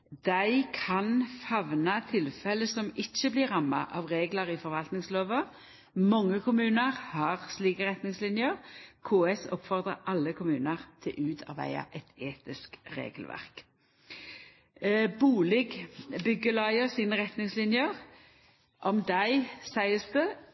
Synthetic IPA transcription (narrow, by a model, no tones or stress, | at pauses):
d̪æɪkʰɑnfɑʋnɑt̪ʰɪlfɛləsɔmɪt͡ʃːəblɪɾʁɑmːɑ̰ʔɑʋʁeːɡləʁɪfɔɾʋɑlt̪nɪŋsloːʋə | mɑŋːəkʰʊmʉːnəʁhɑʁsliːkəʁɛt̪nɪŋslɪnjəʁkʰuːɛsɔpːfɔʁd̪ʁə̰ʔɑlːəkʰʊmʉːnəʁt̪ʰɛʔʉːt̪ʰɑ̰ʋæ̰ɪɑ̰ʔɛt̪ʰeːt̪ɪskʁḛːɡəlʋæ̰ʁk | buːlɪɡbʏɡːəlɑɪəsiːnəʁɛt̪nɪŋslɪnjəʁ | ʔɔmd̪æɪsæɪəst̪ə